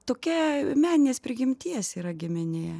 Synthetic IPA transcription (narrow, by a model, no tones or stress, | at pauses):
t̪oːkʲɛmʲæːnʲɪnʲeːsʲpʲɾʲɪɡʲɪmʲt̪ʲiɛsʲiːɾɐɡʲɪmʲɪnʲeːɛ